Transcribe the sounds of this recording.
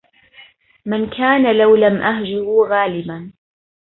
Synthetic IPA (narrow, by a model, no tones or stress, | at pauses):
mɪnkʰaːnalawlamʔahd͡ʒʊɾʊɣaːlɪban